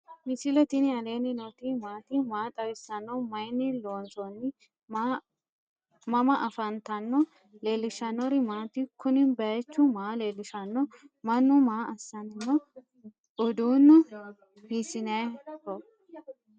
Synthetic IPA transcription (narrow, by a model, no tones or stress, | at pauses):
mɪsɪlɛt̪ɪnɪɐle̞ːnɪnot̪imaːt̪ɪmaːt̪ʼɐwɪsːɐnːɔmɐjnːɪloːnsɔnːɪ | m | mɐmɐʔɐfɐnt̪ɐnːɔ | le̞ːlːɪʃɐnːɔɾɪmaːt̪ɪkʰʊnɪbɐjɛt͡ʃːʊmaːle̞ːlːɪʃɐnːɔmɐnːʊmaːʔɐsːɐnnːɔ | ʊd̪uːnːʊ | bisɪnɐjkɔ